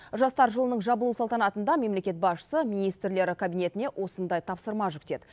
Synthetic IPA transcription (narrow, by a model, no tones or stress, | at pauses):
ʒɑst̪ɑɾʒəlˠənəɴʒɑbəlˠusɑlˠt̪ɑnɑt̪ənd̪ɑme̞mle̞kʲe̞t̪̚bɑsʃə̥səmijnijst̪ɾle̞ɾɪkʰabijne̞t̪ɪne̞ʔo̞sənd̪ɑjt̪ʰɑpsəɾmɑʒʏkt̪e̞d̪ɪ